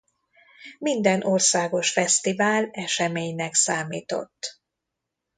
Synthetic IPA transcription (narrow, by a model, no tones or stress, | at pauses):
mind̪ɛnʔorsaːɡo̞ʃfɛst̪ivaːlɛʃɛmeːɲnɛksaːmiːt̪o̞̰t̪ː